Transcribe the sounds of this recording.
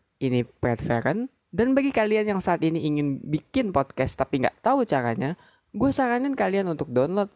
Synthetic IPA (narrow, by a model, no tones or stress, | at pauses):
inipɾɛdfḛɾən | danbaɡikalianjaŋsaːt̪iniiŋɪnbikɪnpɔd̚kɛst̪apiŋɡa̰ʔt̪aut͡ʃaɾa̰ɲa | ɡuasaɾanɪnkalianunt̪ʊk̚dɔnlɔt̪̚